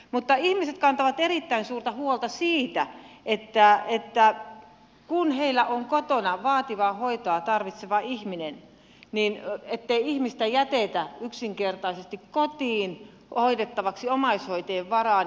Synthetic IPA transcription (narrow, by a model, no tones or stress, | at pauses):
mut̪ːɑihmiset̪̚kɑnt̪ɑʋɑt̪erit̪ːæinsuːrt̪ɑhuolt̪ɑsiːt̪æʔet̪ːæet̪ːæ | kunheilːˑæʔoŋkot̪onɑʋɑːt̪iʋɑːhoit̪oɑt̪ɑrʋit̪seʋɑihminen | ninet̪ːeiihmist̪æjæt̪et̪æyksiŋkert̪ɑisest̪ikkot̪iːn | oit̪et̪ːɑʋɑksiomɑishoit̪eːʋʋɑrɑˑ